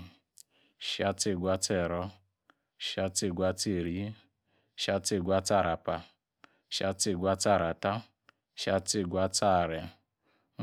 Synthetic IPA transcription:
ʃa˧te˦˨ɡʷa˦tɛ˦˨ɾɔ˦ | ʃa˧te˦˨ɡʷa˧te˦˨ɾi˨˦ | ʃa˦te˦˨ɡʷa˦ta˦˨ɾa˨pa˨ | ʃa˧te˦˨ɡʷa˦ta˦˨ɾa˨ta˦ | ʃa˧˦te˦˨ɡʷa˦ta˦˨ɾɛ˨

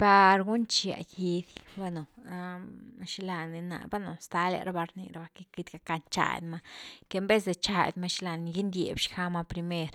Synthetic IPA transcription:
pa˧ɾɡu˦nt͡ʃja̰˨i˧d̪ba˦no˨a˦ʃla˧ni˧na̰˨ba˦no˨st̪a˧la̰˧ɾa˧ba˧ɾnḭ˧ɾa˨ba˧ke˧ki˧d̪ɡa˧ka˧nt͡ʃa̰˧˨j̰d̪ma˧ke˧mbe˦s̬d̪e˧t͡ʃa˧j̰d̪ma˧ʃi˦la˧ni˧ɡi˦nd̪jḛ˨bʃxa˦ma˧pɾi˧me˦˧ɾ

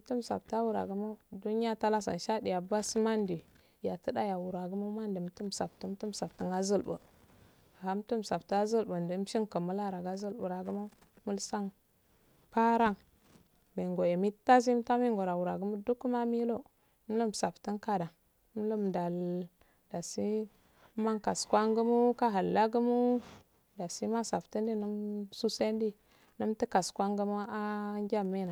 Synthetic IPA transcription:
tu˦m˨sa̰˨p̚ta˦wu˦ɾa̰˨ɡu˦ma˦du˦ni˦ja˦ta˦la˦sa̰˨n˨ʃa˦di˨ja˨ba˦si˦ma˦ndi˨ | ja˨tə˦da˦ja˨wu˨ɾa˨ɡu˦ma˦ma˦ndi˨m˨˦tu˦m˨sa˨p̚tu˦m˦tu˦m˨sa˨pti˦na˦zə˦lbə̰˨ | ha˦m˦tu˦m˨sa˨bta˦a˦zə˦lbə˨ndə˨˦m˦i˦ŋkə˨mu˦la˦ɾa˨ɡa˦zə˦lbu˨ɾa˨ɡu˦ma˦ | mu˦lsa˦ŋ | pa˦ɾa˦ŋ | mi˨ŋɡo˨e˨mi˦ta˦zi˦ta˦mi˦ŋɡo˨ɾa˨wu˨ɾa˨ɡu˦mu˦du˦ku˦ma˦mi˦lo˦ | m˦lu˦msa˨pti˦nka˦da˨˦ | m˦lu˦mda˨l | da˨si˦ | ma˦ŋka˨skwa˦ŋɡu˦mu˦ka˦ɦa˨lːa˦ɡu˦mu˦ | da˨si˦ma˦sa˨pti˦ndi˦nu˦msu˦se˦ndi˦ | nu˦mti˦ka˨skʷa˦ŋɡu˦mu˦a˦ŋɡʲa˦mːi˦na˨

